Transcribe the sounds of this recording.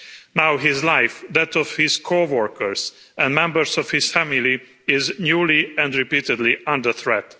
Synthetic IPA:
nawɦɪzlajfd̪æt̪ɔfhɪz̥kʰowɔɹkəɹs | ɛ̃ndmɛ̃mbəɹsɔfhɪsfæmɪli | ɪznjuːliɛ̃ndɹipiːtɪd̪liʔʌ̃nd̪əθɹɛt̪

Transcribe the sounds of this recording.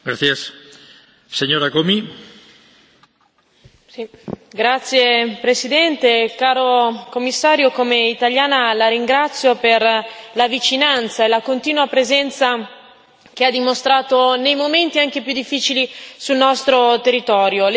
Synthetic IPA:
ɡɾaθjas | seɲoɾakomi | ɡɾat̪sːjepɾesid̪ɛnt̪ekaːɾokomːisːaːɾjokomeit̪aljaːnalaɾiŋɡɾat̪sːjoperlavit͡ʃinant̪saelakont̪iːnuapɾezɛnt̪sa | k̟ead̪ːimost̪ɾaːt̪onejmoment̪iaŋkepjud̪ːifːiːt͡ʃilisulnɔst̪ɾot̪erːit̪ɔːɾjol

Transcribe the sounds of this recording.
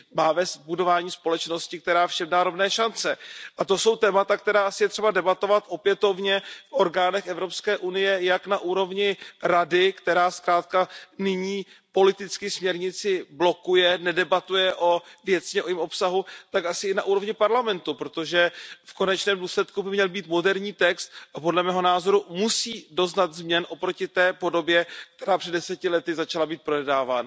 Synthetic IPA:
maːvɛs̚budo̞vaːɲiːspo̞lɛt͡ʃno̞scɪk̚t̪ɛɾaːfʃɛbdaːɾovnɛːʃant͡sɛʔat̪o̞so̞wt̪ɛːmat̪ak̚t̪ɛɾaːsɪjɛt̪r̝̥ɛbadɛbat̪o̞vat̪ʔo̞pjɛt̪o̞vɲɛfʔo̞ɾɡaːnɛxɛvɾo̞pskɛːʔunɪjɛjaknaʔuːɾo̞vɲɪɾadɪkt̪ɛɾaːskɾaːt̪̚kanɪɲiːpo̞lɪt̪ɪt͡skɪsmɲɛɾɲɪt͡sɪblo̞kujɛnɛdɛbat̪ujɛʔo̞vjɛt͡sɲɛʔojɪmʔo̞psaɦut̪akasɪɪnaʔuːɾo̞vɲɪpaɾlamɛnt̪upɾo̞t̪o̞ʒɛfko̞nɛt͡ʃnɛːmduːslɛt̪kubɪmɲɛlbiːt̪mo̞dɛɾɲiːt̪ɛkst̪̚ʔapo̞dlɛmɛːɦo̞naːzo̞ɾumusiːdo̞znat̪zmɲɛnʔo̞pɾo̞cɪt̪ɛːpo̞do̞bjɛkt̪ɛɾaːpr̥ɛdɛsɛcɪlɛt̪ɪzat͡ʃalabiːt̪̚pɾonɛdaːvaːna

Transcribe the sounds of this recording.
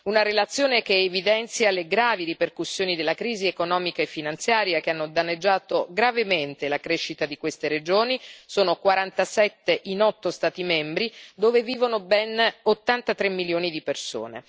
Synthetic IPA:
unaɾelat̪sːjoːnek̟eːvid̪ɛnt̪sjaleɡɾaːviɾiperkusːjoːnid̪elːakɾiːziekonɔːmikaefːinant̪sjaːɾjak̟eanːod̪anːed͡ʒːaːt̪oɡɾavement̪elakɾeʃːit̪ad̪ikwest̪eɾed͡ʒoːnisoːnokwaɾant̪asɛt̪ːeʔinɔt̪ːost̪aːt̪imɛmbɾid̪oːveviːvonobɛnot̪ːant̪at̪ɾemːiljoːnid̪iperso̰ːnḛ

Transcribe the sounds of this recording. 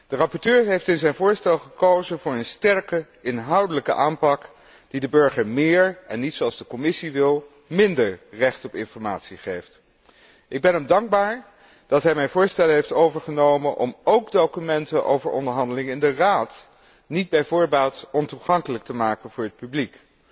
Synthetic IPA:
d̥ərɑpɔɹtøːɹɦejftɪnzɛjnvʊːɹstɛlˠχəkowzənvʊːɹənstɛɹkə | ɪnɦɑwdələkə̰ʔaːmpɑk | d̥idəbøɹχəɹmɪːɹɛnːitsoɑlˠzdəkɔmɪsiʋɪlˠ | mɪndəɹrɛχtɔpɪnfɔɹma̰ːtsiχejft | ʔɪɡ̚bɛnɦəmdɑŋɡ̚baːɹ | d̥ɑtɦɛjmɛjnvʊːɹstɛləɦejftowvəɹχənowmənʔɔ̰mowkdowkymɛntənʔo̰wvəɹɔ̰ndəɹɦɑndəlɪŋəɪndəraːt | nid̚bɛjvʊːɹbaːlˠtɔntuχɑŋkələk̚təmaːkənvʊːɹɦət̚pyblik

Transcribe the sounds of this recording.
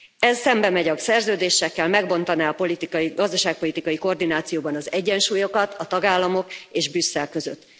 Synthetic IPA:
ɛzːɛmbɛmɛɟɒksɛrzøːd̪eːʃːɛkːɛlmɛɡbo̞nt̪ɒnaːɒpo̞lit̪ikɒjiɡɒzd̪ɒʃaːk̚po̞lit̪ikɒjiko̞rd̪inaːt̪sijoːbɒnɒzɛɟːɛnʃuːjo̞kɒt̪ʰɒt̪ɒɡaːlːɒmo̞keːʒbysːɛlkø̞zø̰t̪ː

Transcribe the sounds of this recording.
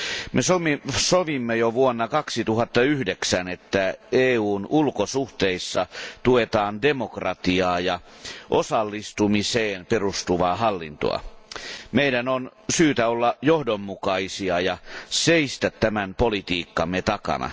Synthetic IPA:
mesomisoʋimːejoʋuonːɑkɑksit̪uhɑt̪ːɑyhdeksænet̪ːæeːuːnʔulkosuht̪eisːɑt̪uet̪ɑːndemokrɑt̪iɑːjɑ | ʔosɑlːist̪umiseːnperust̪uʋɑːhɑlːḭnt̪o̰ɑ̰ | meidænon | syːt̪æolːɑjohdomːukɑisiɑjɑseist̪æt̪tæmænpolit̪iːkːɑmːet̪ɑkɑ̰nɑ̰

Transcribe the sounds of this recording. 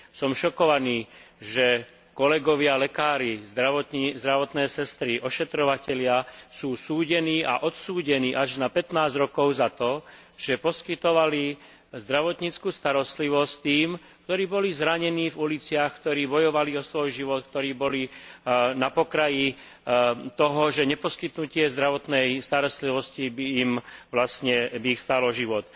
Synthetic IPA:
sɔmʃɔkɔʋaniːʒɛ | kɔlɛɡɔʋɪalɛkaːɾizd̪ɾaʋɔt̪izd̪ɾaʋɔt̪nɛːsɛst̪ɾiʔɔʃɛt̪ɾɔʋacɛʎɪasuːsuːɟɛniːʔa̰ʔɔt̪suːɟɛniːʔaʒnapɛt̪naːzɾɔkɔʊzat̪ɔ | ʒ̥ɛpɔskit̪ɔʋali | zd̪ɾaʋɔt̪ɲit͡skuːst̪aɾɔst̪liʋɔst̪iːm | k̚t̪ɔɾiːbɔlizɾaɲɛniːvulit͡sɪaxkt̪ɔɾiːbɔjɔʋaliɔsʋɔjʒiʋɔt̪̚k̚t̪ɔɾiːbɔli | napɔkɾaji | t̪ɔɦɔʒɛɲɛpɔskit̪nucɪɛzd̪ɾaʋɔt̪nɛjst̪aɾɔst̪liʋɔscibiːmʋlasɲɛbiːxst̪aːlɔʒiʋɔt̪

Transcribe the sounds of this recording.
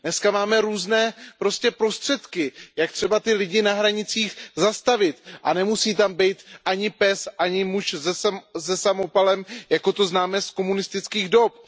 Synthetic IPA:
dnɛskamaːmɛɾuːznɛːpɾo̞scɛpɾo̞st̪r̝̥ɛt̪kɪjak̚t̪r̝̥ɛbat̪ɪlɪɟɪnaɦɾaɲɪt͡siːxzast̪avɪt̪ʔanɛmusiːt̪ambɛjt̪ʔaɲɪpɛsʔaɲɪmuʃzɛzɛsamo̞palɛmjako̞t̪o̞znaːmɛsko̞munɪst̪ɪt͡skiːɣdo̞p̚

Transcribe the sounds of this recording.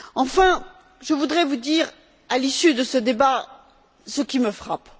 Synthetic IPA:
ɑ̃fɛ̃ | ʒəvud̪ʁɛvud̪iʁ | alisyd̪əsəd̪eba | səkʲiməfχap

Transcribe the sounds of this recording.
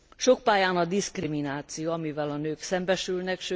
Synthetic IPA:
ʃo̞k̚paːjaːnɒd̪iskriminaːt̪sijoɒmivɛlɒnøːksɛmbɛʃylnɛkʃø

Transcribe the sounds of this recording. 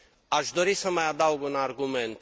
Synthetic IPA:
aʒd̪ɔɾisəmajad̪auɡunaɾɡumɛnt̪

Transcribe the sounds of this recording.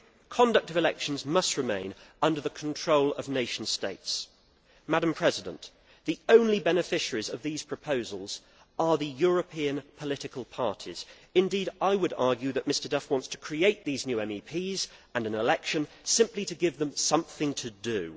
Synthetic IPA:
kʰɑ̃ndʌk̚tʌvɨlɛkʃn̩zmʌst̚ɹɨmḛ̃ɪ̃nʌ̃ndə˞ðəkʰn̩tʰɹ̥oʊlˠʌ̰vneɪʃn̩steɪts | mæɾə̃m̩pʰɹ̥ɛzɪdə̰̃nʔ | ðiõʊ̃nlibɛnɨfɪʃəɹizʌvðiz̥pʰɹ̥əpʰoʊzəl̩ˠz̥ | ə˞ðɨjɔɹəpʰĩɨ̃npʰəlɪɾɨkəlˠpʰɑɹɾʰiz̥ | ɨ̃ndiɾaɪwəɾɑɹɡjʉðɨʔ̚mɪstə˞dʌfwɑ̃ntstʰə̥kʰɹ̥ieɪʔ̪̚ðiznjʉɛ̃mipʰizə̃nɨ̃nɪlɛkʃɨ̃n | sɪ̃mpliɾɨɡɪvðə̃msʌ̃mθɪ̃ŋtʰɨdɨʉ

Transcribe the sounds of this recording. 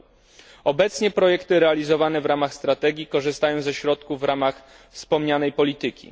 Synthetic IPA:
ɔbɛt̪sɲɛpɾɔjɛkt̪ɘɾɛalʲizɔvanɛvɾamaxst̪ɾat̪ɛɡʲjikɔʐɘst̪ajɔ̃w̃zɛɕɾɔt̪kuvːɾamax | fspɔmɲanɛjpɔlʲit̪ɘkʲḭ

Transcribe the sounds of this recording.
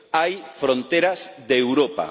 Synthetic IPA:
ajfɾõnt̪eɾasðewɾopa̰

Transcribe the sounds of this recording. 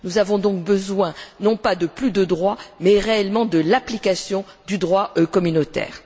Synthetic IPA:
nuzavɔ̃d̪ɔ̃k̚bəzwɛ̃nɔ̃pad̪əplyd̪əd̪ʁwamɛʁeɛlmɑ̃d̪əlaplikasjɔ̃ | d̪yd̪ʁwaʔkɔmynot̪ɛ̰ːʁ

